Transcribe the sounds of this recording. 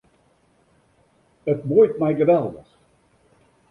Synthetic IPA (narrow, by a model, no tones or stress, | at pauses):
ətbojtmɛjɣəʋɛlˠdə̰x